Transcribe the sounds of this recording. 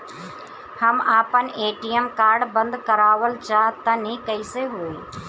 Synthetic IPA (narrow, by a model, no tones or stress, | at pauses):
həmaːpəneːʈiːəmkaːɾɖbə̃nd̪kəɾaːʋəlt͡ʃʰaːt̪ɐnĩːkəiːseɦueː